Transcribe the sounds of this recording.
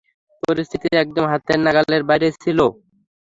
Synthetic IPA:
poɾist̪ʰit̪iɛk̚d̪omɦat̪eɾnaɡalleɾbajɾet͡ɕʰilo

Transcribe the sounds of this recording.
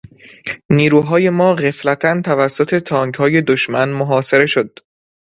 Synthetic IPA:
niːɾuːɦɒːje̞mɒːɣeflæt̪ʰænt̪ʰævæsːot̪ʰe̞t̪ʰɒːŋkhɒːje̞d̪oʃmænmoɦɒːse̞ɾe̞ʃod̪̥̚

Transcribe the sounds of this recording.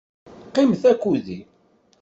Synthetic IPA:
qːɪməθækːuði

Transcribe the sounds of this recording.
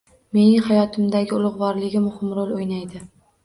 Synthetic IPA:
me̞nɪŋhajɒt̪ʰɪmd̪aɡʲɪʊlˠʊʁvɒɾlɪɡʲɪmʊhɪmɾolˠojnajd̪ɪ

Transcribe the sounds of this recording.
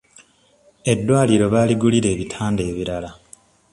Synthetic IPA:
e̞dːwaːliɾo̞βaːliɡuliɾe̞ːβitʰaːnde̞ːβiɾala

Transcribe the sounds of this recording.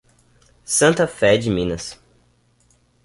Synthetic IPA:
sɐ̃nt̪ɐfɛd͡ʒɪmĩnɐs

